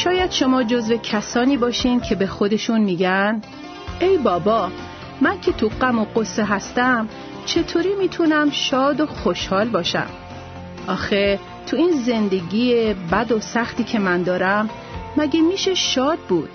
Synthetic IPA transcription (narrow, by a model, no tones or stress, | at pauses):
ʃɒːjæd̪̥ʃo̞mɒːd͡ʒozve̞cʰæsɒːniːbɒːʃiːncʰe̞be̞xod̪e̞ʃunmiːɟæn | ʔe̞jbɒːbɒː | mæncʰe̞t̪ʰuɡæmoɢosːeɦæst̪æm | t͡ʃʰe̞t̪ʰoːɾiːmiːt̪ʰunæmʃɒːd̪oxoʃhɒːlbɒːʃæ̰m | ʔɒːxe | t̪ʰuiːnze̞nd̪e̞ɟiːjebæd̪o̞sæxt̪iːcʰe̞mænd̪ɒːɾæmː | æɟemiːʃe̞ʃɒːd̪̚buːd̪̥̚